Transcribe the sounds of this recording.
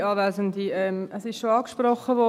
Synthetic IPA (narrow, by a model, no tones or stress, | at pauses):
ɑːʋæːzəndiɛmʔəsɪʃʃoɑːkʃprɔχːəʋɔ